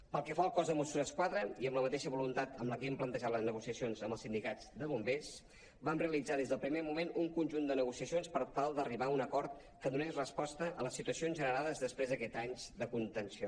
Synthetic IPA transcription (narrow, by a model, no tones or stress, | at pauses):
pəlˠkɛfaəlˠkɔzðəmusuzəskwaðɾəiəmləmət̪eʃəβulunt̪at̪əmləkeimplənt̪əʒaləznəɣusiəsionzəmbəlˠsind̪ikad͡zd̪əβumbes | bamreəlid͡zað̞ezðəlˠpɾimemumenuŋkunʲʒund̪ənəɣusiəsionspəɾt̪alˠd̪əriβaunəkɔɾt̪ | kəðunɛʃrəspɔst̪əʔələsit̪uəsionzʒənəɾaðəzðəspɾezðəkɛt̪aɲd̪əkunt̪ənsio